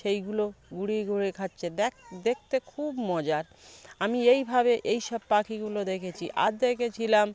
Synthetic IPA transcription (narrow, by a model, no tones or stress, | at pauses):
ʃejɡuloɡuɽiɡuɽekʰatːɕʰed̪d̪ek̚t̪ekʰubmɔd͡ʑaɾ | amiejbʱabeʔejʃɔb̚pakʰiɡulod̪ekʰet͡ɕʰiʔa̰d̪eket͡ɕʰilam